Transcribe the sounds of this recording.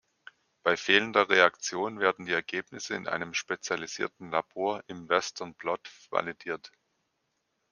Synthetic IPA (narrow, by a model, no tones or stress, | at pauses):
b̥aɪfeːləndɐʁeakt͡sjoːnveːɐdn̩diːɛɐɡeːpnɪsəɪ̰nʔa̰ɪnəmʃpet͡sjaliz̥ḭːɐtn̩laboːɐʔɪmvɛstʰɐnb̥lɔtva̰lidiːɐt